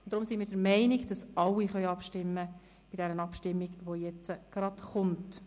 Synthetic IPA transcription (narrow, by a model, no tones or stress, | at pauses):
ʊnd̥̪ɾʊmsinmiːɾdəɾmɛɪniɡd̥ɑsɑlːiχœʏɑpʃtɪmːə | b̥ɪtd̥ɛɾənɑpʃtɪmːiɡʋojɛt͡səɡ̥ɾɑdχʊnt